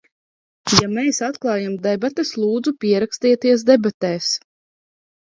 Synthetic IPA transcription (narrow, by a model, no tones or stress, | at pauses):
jamesat̪klˠɑːjamd̪ɛbat̪eslˠuːd̪zupʲiɛɾakst̪iɛt̪iɛs̬d̪ɛbat̪ɛːs